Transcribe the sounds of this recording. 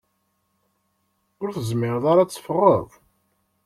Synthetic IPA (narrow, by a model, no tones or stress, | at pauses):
ʊɾθəzmɪɾðˤaɾat͡sːfərˤːə̰ðˤ